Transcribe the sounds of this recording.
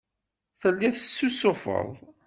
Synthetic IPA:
θəlːiθəsːusʊfə̰ðˤ

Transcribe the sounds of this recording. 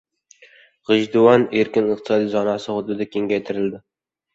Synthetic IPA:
ʁɨʒd̪ʊwɒneɾkʲɪnɨqt̪ɨ̥sɒd̪ijzɒnɑsɪhʊd̪ʊd̪akʲe̞ŋɡʲajt̪ʰɪɾɪld̪ɪ

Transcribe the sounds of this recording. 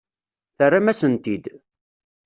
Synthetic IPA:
θərːamæsənt̪id̪

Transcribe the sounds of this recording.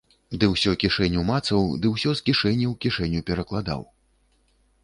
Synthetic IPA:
d̪ɨwsʲɔkʲiʂɛnʲumat̪sɐwd̪ɨwsʲɔskʲiʂɛnʲːiwkʲiʂɛnʲːupʲɛɾɐklˠad̪a̰w

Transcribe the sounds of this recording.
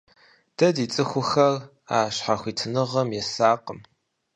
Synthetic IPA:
d̥ɐdiːt͡sʼɨxʷʊxɐr | a̰ːʃħaxʷiːtʰɨnɨʁɐmjɛsaːqəm

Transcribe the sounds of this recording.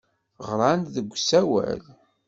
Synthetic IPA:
ʁɾˤɑnðəɡʷːsæwæ̰l

